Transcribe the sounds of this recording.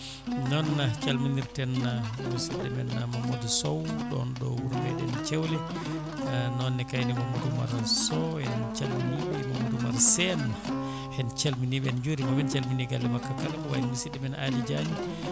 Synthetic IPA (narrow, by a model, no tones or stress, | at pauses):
nɔnːat͡ʃalminiɾtɛnamusidɛmɛnamamodusɔwɗɔ̰nɗɔ̰wuɾɡɛɗɛnt͡ʃewlɛ | nɔnːɛkajnɛmamuduma̰ɾsɔɛnt͡ʃalminibɛmamudumaɾsɛn | hɛnt͡ʃalminiɓɛɛnd͡ʒuɾimawɛnt͡ʃalminiɡalːɛmakːakaɾkɔwa̰inmusidɛmɛnalid͡ʒaɲi